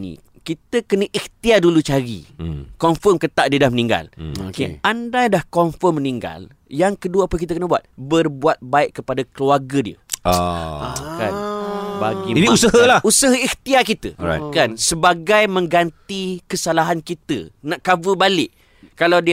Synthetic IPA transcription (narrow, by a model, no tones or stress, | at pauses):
nḭ̃ | kit̪əkənəʔiht̪iadulut͡ʃaɾḭkɔmfɔmkət̪aʔ̚diədahmənĩŋɡa̰lkeandadahkɔmfɔmːəniŋɡa̰l | jaŋkəduəapəkit̪̬əkənəbuat̪̚bərbuat̪̚baɪʔkːəpadakəluarɡədiə̰ | a̰ka̰nbaɡiiusəɦəlausaɦəiht̪iakit̪ə̰a̰kansəbaɡajmə̃ŋɡant̪ikəsalaɦankit̪ə̰naʔkavəbalɪʔ | kalawdi